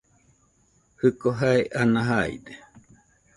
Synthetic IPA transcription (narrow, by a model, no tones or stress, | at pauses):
hɨkoɦaeʔanaɦaḭd̪e